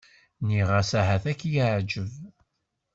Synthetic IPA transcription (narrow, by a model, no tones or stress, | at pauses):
niʁæsæɦæθækːjaʕd͡ʒəv